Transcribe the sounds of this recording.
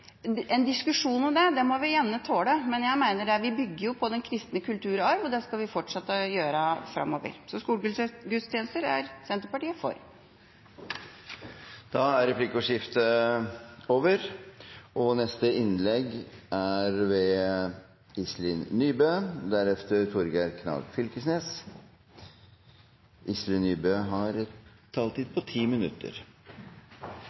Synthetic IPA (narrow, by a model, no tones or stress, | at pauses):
ɛnd̪ɪskʉʂuːnɔmd̪ɛd̪ɛmɔʋɪjɛnːət̪ʰoːɽəmɛnjæɪmæɪnəɖɛʋɪbʏɡːəɾjʊpʰɔd̪ɛnkʰɾɪst̪nəkʉlt̪ʰʉːɾɑɾʋɔd̪ɛskɑʋɪfɔʈʂɑt̪ːəjøːɾəfɾɑ̰mːoːʋə̰ɾsɔskuːlɡɡʉt̪st̪jenəst̪əɾæ̰ɾsɛnt̪əpɑʈiːəfɔ̰ɾ | d̪ɑæɾɾɛpʰlɪkːɔʂɪft̪ə | oːʋəɾʔɔnɛst̪əɪnlɛɡʔæɾʋɛ | ɪslɪnnyːbøːd̪æɾɛft̪əɾt̪ʰʊɾɡæɾkʰnɑ̰ɡ̪fʏlkəsneːs | ʔɪslɪnːyːbøːɦɑɾɛt̪ʰː | ɑlt̪ɪd̪̚pʰɔt̪ʰiːmɪnʉ̰t̪ːə̰ɾ